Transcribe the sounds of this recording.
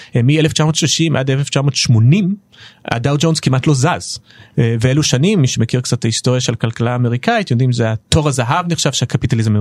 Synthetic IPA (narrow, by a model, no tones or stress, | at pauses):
emieleft͡ʃamo̞ːtʃliʃimʔa̰deleft͡ʃamo̞ːtʃmo̞nim | a̰dawd͡ʒonzkimatlozaz | veeluʃanimːiʃemekiʁkt͡satːaisto̞ʁjaʃelkalkalaːmeʁikaitjod̪imzeato̞ʁazaɦavniχʃav̥ʃeakapitalizme